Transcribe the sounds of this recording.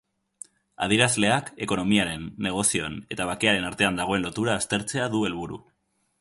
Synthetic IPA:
a̰ð̞iɾazle̞ake̞ko̞no̞miaɾe̞nːe̞ɣ̞o̞sio̞ene̞t̪aβ̞ake̞aɾe̞naɾt̪e̞and̪aɣ̞o̞e̞nlo̞t̪uɾaːst̪e̞ɾt͡se̞aðue̞lβuɾṵ

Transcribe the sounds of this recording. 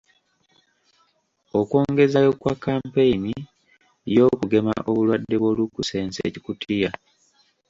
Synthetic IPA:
o̞kwo̞ːŋɡe̞zajo̞kwakːaːmpeini | jo̞ːkuɡe̞ma̰ʔo̞βulwadːe̞βwo̞lukuse̞ːnsḛːci̥kutʰija

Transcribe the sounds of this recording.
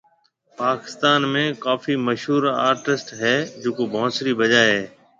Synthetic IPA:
paːkɪ̥st̪aːnmẽːkaːfiməʃɦuːɾa̰ːɾʈɪsʈɦɛːd͡ʒoːkobʱɔosɾibəd͡ʒaːɦɛː

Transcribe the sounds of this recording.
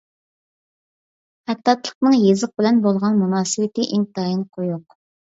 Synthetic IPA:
ɛt̪ːɑt̪lˠə̥qnɨŋjezɨq̚bɪlɛnbolˠʁɑnmunɑːsɨwɪt̪ɪʔeŋt̪ɑjinqʰojuq

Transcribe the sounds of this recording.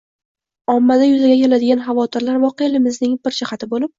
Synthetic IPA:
ɒmːad̪ajʊzaɡʲakʲʰelad̪ɪɡʲanχɑvɒt̪ʰɪɾlaɾvɒqelɪmɪznɪŋbɪɾd͡ʒɪχat̪ʰɪbolɪp̚

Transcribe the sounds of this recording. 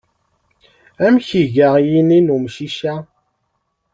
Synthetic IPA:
æmçiʝaʁjininumʃiʃæ

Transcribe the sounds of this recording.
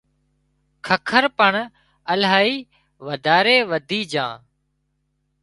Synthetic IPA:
kʰəkʰəɾpəɳ | əlɦaːiː | ʋəd̪ʱaːɾeːʋəd̪ʱiːd͡ʒã̰ː

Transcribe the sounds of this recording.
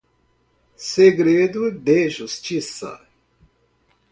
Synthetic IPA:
seɡɾeːd̪ud̪eːʃust͡ʃisa̰

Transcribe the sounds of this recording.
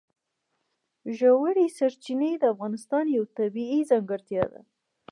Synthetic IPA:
ʒawaɽisaɾt͡ʃinəd̪əafɣɑnɪst̪ɑnjawt̪abiizaŋɡəɾt̪jɑd̪a̰

